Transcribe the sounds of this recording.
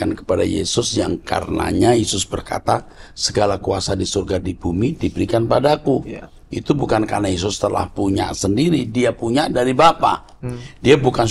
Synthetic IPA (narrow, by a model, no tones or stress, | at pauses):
ankə̥pada̰jḛsʊsja̰ŋka̰rə̰na̰ɲajesʊsbərka̰t̪asəɡalakuasadisurɡadibumidibəɾikanpadaku | ʔḭt̪ubukankarnajes̬ʊst̪əla̰hpuɲa̰ʔsəndiɾidiapuɲaʔdaɾibapa̰ | diabukan